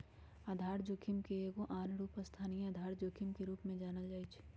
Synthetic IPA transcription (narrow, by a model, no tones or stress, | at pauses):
aːd̪ʱaːɾd͡ʒokʰimkeeːɡoʔaːnɾuːpəst̪ʰaːnij̃ad̪ʱaːɾd͡ʒokʰɪmkeɾuːpmẽd͡ʒaːnəld͡ʒaːit͡ʃʰ